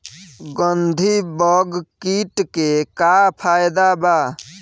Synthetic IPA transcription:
ɡənd̪ʱibɔɡkiʈkekapʰaːjd̪abaː

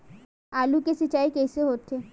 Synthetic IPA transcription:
alukesit͡ɕaikejseɦot̪ʰe

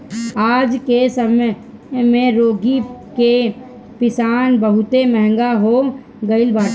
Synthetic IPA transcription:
aːd͡ʒkesəm | mẽɾoːɡike | pɪsaːnbəɦʊt̪emɛɦɛ̃ŋɡaɦo | ɡəɪlbaː

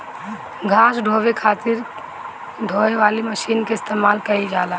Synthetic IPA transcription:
ɡʱasɖʱoʋekʰat̪ɪɾ | ɖʱoeʋaliməʃiːnkeɪst̪emalkəid͡ʒala

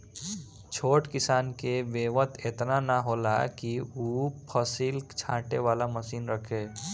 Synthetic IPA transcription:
t͡ʃʰoːʈkɪsaːnkeʋeːʋət̪ʰet̪nanaɦoːla̰kiupʰəsiːlt͡ʃʰã̰ːʈeʋaːlaməsiːnɾəkʰeː

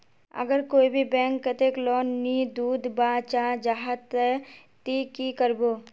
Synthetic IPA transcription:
ə̰ɡəɾkoːibʱibɛ̃ːŋkːət̪eːklɔːnːid̪uːd̪baːt͡ʃaːd͡ʒaɦət̪ɛ | t̪ikikəɾboː

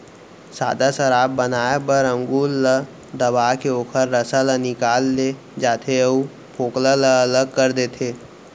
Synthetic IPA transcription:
sa̰ːd̪asəɾaːbːənaːepəɾə̃ŋɡuːlːə | d̪əbaːkeoːkʰəɾːəsalənɪkaːlːe | d͡ʒaːt̪ʰeəu | pʰoːklələələɡ̚kəɾd̪et̪ʰeː

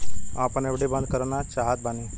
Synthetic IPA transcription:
apəɳeʋɽebə̃nd̪kəɾnat͡ʃaɦat̪̚bane

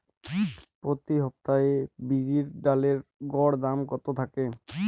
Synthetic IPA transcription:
pɾot̪iɦɔp̚t̪aebiɾiɾɖaleɾɡɔɽd̪amkɔt̪ot̪ʰake

